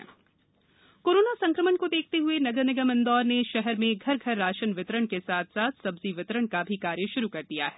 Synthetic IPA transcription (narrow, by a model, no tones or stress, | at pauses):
koːɾoːnasɐ̃ŋkɾəmənkod̪eːk̚ʰt̪eɦʊenɐɡənɪɡəmə̃nd̪ɔːɾnẽʃɛɦɛɾmẽɡʱɐɾɡʱɐɾːaːʃənʋɪt̪ɾəɽ̃kesaːt̪ʰsaːt̪ʰsɐbziʋɪt̪ɾəɽ̃kabʱikaːɾjəʃʊɾukɐɾd̪ija̰ɦɛː